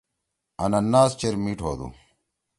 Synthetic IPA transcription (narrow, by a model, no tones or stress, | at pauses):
ɐnɐnːaːst͡ɕeɾmiʈʰo̰ːd̪ṵ